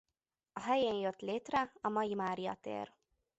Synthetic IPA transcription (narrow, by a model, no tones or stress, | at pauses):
ɒɦɛjeːnjot̪ːleːt̪ɾɛɒmɒjimaːɾijɒ̰t̪ḛːɾ